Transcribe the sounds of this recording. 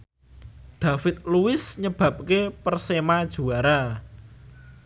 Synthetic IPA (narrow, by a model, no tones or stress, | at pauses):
ɖ̪̥ä̤fɪt̪̚luwɪsɲəb̥ä̤p̚kepərsemad̥ʒ̥ṳaɾa